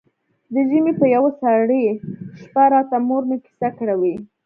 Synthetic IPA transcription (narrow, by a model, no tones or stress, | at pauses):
d̪əʒəmepəjawasaɽeʃpaɾɑt̪amoɾnaki̥sakɽawi